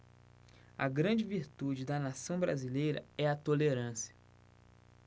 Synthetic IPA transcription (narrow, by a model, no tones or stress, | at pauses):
ɐ̰ɡɾɐ̃d͡ʒɪviɾt̪ud͡ʒɪd̪ɐnasɐ̃w̃bɾa̰zilejɾɐ̰ɛɐt̪oleɾɐ̃sjɐ̥